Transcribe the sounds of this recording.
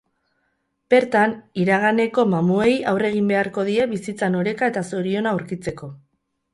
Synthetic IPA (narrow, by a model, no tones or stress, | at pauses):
b̥e̞ɾt̪aniɾaɣane̞ko̞mamue̞jawre̞ɣ̞imbe̞aɾko̞ð̞ie̞βisit͡sano̞ɾe̞kae̞t̪aso̞ɾio̞nauɾkit͡se̞ko̞